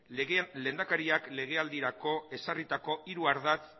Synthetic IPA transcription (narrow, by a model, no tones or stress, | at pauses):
le̞nd̪akaɾiakle̞ɣ̞e̞ald̪iɾako̞e̞sarit̪ako̞iɾuaɾðat͡s